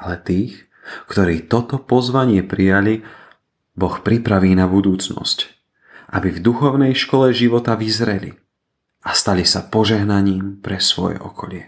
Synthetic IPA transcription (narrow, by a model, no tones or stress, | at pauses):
alɛt̪iːx | kt̪ɔɾiːt̪ɔt̪ɔpɔzʋaɲɪɛpɾijali | bɔxpɾipɾaʋiːnabud̪uːt͡snɔ̰sc | ʔabivd̪uxɔʊnɛjʃkɔlɛʒiʋɔt̪aʋizɾɛlḭ | ast̪alisapɔʒɛɦnaɲiːmpɾɛsʋɔ̰jɛ̰ʔɔkʰɔʎɪɛ